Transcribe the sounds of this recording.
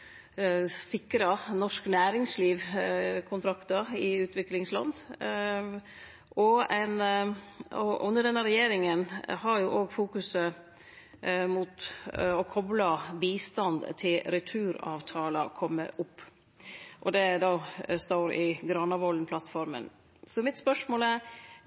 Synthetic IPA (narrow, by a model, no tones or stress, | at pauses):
sɪkɾənɔʂknæːɾɪŋsliːʋkʰʊnt̪ʰɾɑkt̪ɑɾɪʉːt̪ʋɪklɪŋslɑ̰nd̪ | ʔɔɛɪn | ɔʔʉnːəɖɛnːəɾɛjeːɾɪŋənɦɑɾjʊʔoːɡfuːkʉsə | mʊt̪ɔkʰɔblɑbiːst̪ɑnd̪t̪ʰɪlɾɪt̪ʰʉːɾɑ̰ːʋt̪ʰɑːləkʰɔmːə̰ʔʊpː | ʔɔd̪ɛd̪ɑːst̪oːɾɪɡɾɑnɑʋɔlnpʰlɑt̪fɔɾmə̰n | sɔmɪt̪spœʂmoːlæɾ